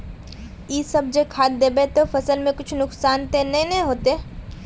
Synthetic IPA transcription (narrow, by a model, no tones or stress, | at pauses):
iːsɐb̚d͡ʒekʰaːd̪̚d̪eːbet̪ofɐsəlmẽkʊt͡ʃʰnʊksaːnt̪eːɐɦĩnɐɦɦoːt̪e